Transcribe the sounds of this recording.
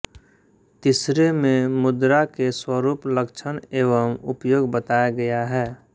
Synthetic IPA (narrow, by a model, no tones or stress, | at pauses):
t̪ɪsɾemẽmʊd̪ɾakeswəɾuːpləkt͡ʃʰəneːʋəmʊpjoːɡbət̪aːjaɡəjaɦɛː